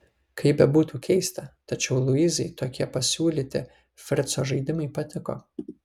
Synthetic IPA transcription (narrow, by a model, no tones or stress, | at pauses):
kɐɪbʲɛbuːt̪uːkʲɛɪst̪ɐt̪ɐt͡ʃʲɛʊlˠʊiːzʲɐɪt̪oːkʲiɛpɐsʲuːlʲiːt̪ʲɪ̰ | fʲɾʲt̪soːʒɐɪd̪ʲɪmɐɪpɐt̪ʲɪko̰ː